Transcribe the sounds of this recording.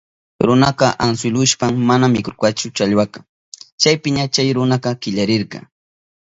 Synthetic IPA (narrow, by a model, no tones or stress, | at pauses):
ɾʊnaqɑʔans̬ɪlʊʃpaŋmanamːɪkʊɾkat͡ʃʊt͡ʃaʎwakḁ | t͡ʃajpɪɲat͡ʃajɾʊnɑqɑkɪʎaɾɪɾqɑ̰